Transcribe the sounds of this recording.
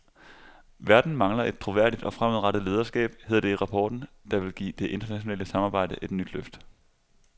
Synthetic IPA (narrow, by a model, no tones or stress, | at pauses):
ʋæɐd̥n̩mɑ̈ŋlɐe̝d̥̚t͡sʰʁo̝ʋæɐɾid̥ɒ̽fʁamuðˠʁɑ̈ɾ̥əð̩ˠle̝ːð̞ˠɐsɡ̥ɛ̰ːb̥he̝ð̰ˠd̥e̝ʁɑ̈pʰɒːd̥n̩d̥ɑ̈ʋe̝lɡ̥ḭːd̥e̝ʔe̝nd̥ɐnæɕo̝nɛ̰ːləsɑ̈mɑ̈ːb̥ɑ̈ɪ̰d̥əʔe̝d̥nyd̥løfd̥